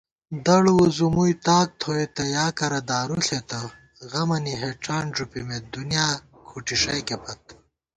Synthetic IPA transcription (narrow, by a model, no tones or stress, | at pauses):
d̪ɐɽuuzumujt̪aːk̚t̪ʰoet̪ɐjaːkɐɾɐd̪aːɾuɬet̪ɐ | ɣɐmɐniɦeʈ͡ʂaːnʐupimed̪unjaːkʰuʈiʂɐjkepʰɐt̪̚